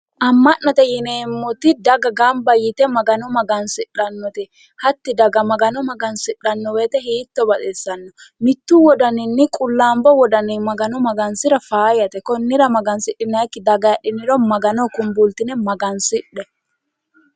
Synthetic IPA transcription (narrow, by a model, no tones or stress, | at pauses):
ʔɐmːɐʔɐt̪ɛjɪneːmːɔt̪ɪd̪ɐɡɐɡɐmbɐjɪt̪ɛmɐɡɐnɔmɐɡɐnsɪᶑɐnːɔt̪ɛ | hɐt̪ːɪd̪ɐɡɐmɐɡɐnɔmɐɡɐnsɪᶑɐnːɔweːt̪ɛɦiːt̪ːɔbɐt̪ɛsːɐnːɔmɪt̪ːuwɔd̪ɐnɪnːɪkʼʊlːaːmbɔwɔd̪ɐnɪmɐɡɐnɔmɐɡɐnsɪɾɐfaːjɐt̪ɛkɔnːɪɾɐmɐɡɐnsɪɗɪnːɐkːɪd̪ɐɡɐjɐɗɪnːɪɾɔmɐɡɐnɔkʊmbult̪ːɪnɛmɐɡɐnsɪᶑːɛ